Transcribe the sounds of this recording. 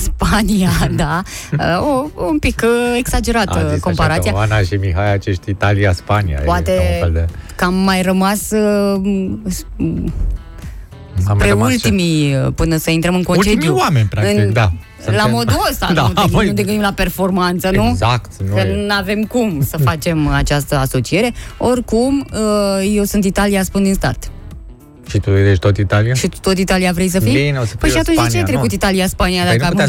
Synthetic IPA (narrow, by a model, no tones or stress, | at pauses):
spanijad̪aəoumpikeksad͡ʒe̞ɾat̪əko̞mpaɾat̪sijaanaʃimiɦajat͡ʃeʃt̪ʲit̪aliaspanḭja̰poat̪e | kamːajrəmas | s | pɾeult̪imipɨnəsəint̪ɾəmɨnkont͡ʃeiwamenʲpɾakɨnid̪a | lamo̞d̪uost̪and̪uoud̪eɡɨnd̪imlape̞rfo̞rmant̪sənuzakt̪nkənunave̞mkumsəfat͡ʃe̞mat͡ʃast̪əaso̞t͡ʃie̞ɾe̞o̞rkuməje̞wsunt̪it̪alijaspund̪inst̪art̪ | ʃit̪udeʃt̪ot̪it̪aliaʃit̪ut̪o̞t̪̬it̪alijavɾejs̬əfijineoəpəjʃiat̪unt͡ʃd̪it͡ʃajt̪ɾekut̪it̪alijaspanijad̪aa